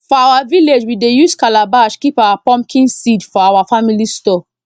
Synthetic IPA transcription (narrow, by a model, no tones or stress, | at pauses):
fɔawaviled͡ʒwidejuskalabaʃkipawapɔ̃mkʰĩnsidfɔawafamilistɔ